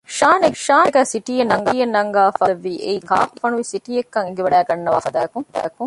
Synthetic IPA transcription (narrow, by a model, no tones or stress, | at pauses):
ʃaːnekʃaːneɡæːsiʈiːjenːɐŋɡɐjenːɐŋɡaːfɐɐʋːiːʔeika̰ːpufɐnuʋisiʈiːekːɐŋeɡeʋɐɖæːɡɐnːɐʋaːfɐd̪aːkuŋɐkuŋ